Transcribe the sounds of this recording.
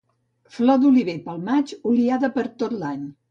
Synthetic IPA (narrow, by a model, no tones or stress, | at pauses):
flɔd̪uliβepəlˠmat͡ʃuliaðəpəɾt̪ot̪laɲ